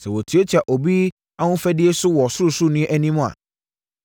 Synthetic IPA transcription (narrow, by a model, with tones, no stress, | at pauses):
sɛ˨wo˨tʰi˨˦o˦tʰi˨a˨ʔo˨bi˦ | a˦wʊ̃˦fɛ˦dɪ˦e˦sʊ˦wɔ˨sʊ˦ɾʊ˨sʊ˦nĩ˦ʔɛ˦nĩ˦mũ˦a̰˨